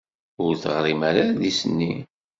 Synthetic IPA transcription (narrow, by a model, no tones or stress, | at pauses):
ʊɾθʁɾˤimaɾaðisənːi